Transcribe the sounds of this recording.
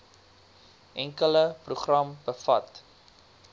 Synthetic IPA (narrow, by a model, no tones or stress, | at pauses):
ʔɛŋkələpruχrɐmbəfɐ̰t